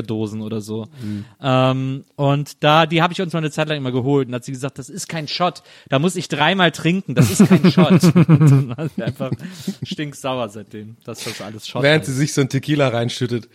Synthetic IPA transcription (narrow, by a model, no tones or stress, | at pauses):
doːzn̩ʔoːɾɐzoːʔɛːmʔʊntd̥aːdiːhaːbəɪçʊnsmaːɪnət͡saɪt̬laŋʔɪmɐɡəɦoːltʊnthatz̥iːɡəzaːkt̚d̥asɪst̚kʰaɪnʃɔt | d̥aːmʊsɪçd̥ʁaɪmaːltʁ̥ɪŋkŋ̩d̥asɪstkʰaɪnʃɔtnaʔaɪnfaχʃtɪŋkz̥aʊɐzaɪt̚d̥eːmd̥asd̥asʔa̰ləsʃɔveːʁəntz̥iːzɪçz̥oːntʰɪkʰiːlaʁaɪnʃʏtət